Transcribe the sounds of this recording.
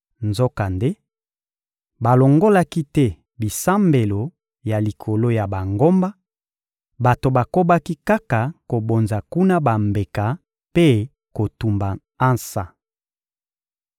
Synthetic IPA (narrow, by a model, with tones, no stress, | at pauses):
nzo˦ka˨nde˦ | ba˨lo˨ŋɡo˦la˦ki˦tɛ˦ | bi˨sa˦mbe˨lo˨ | ja˨li˨kʰo˨lo˦ja˨ba˨ŋɡo˦mba˦ | ba˨to˨ba˨ko˦ba˦ki˦ka˦ka˨ko˨bo˨nza˨ku˦na˦ba˨mbe˨ka˨ | pe˦ | ko˨tu˨mba˨ | a˦nsa˨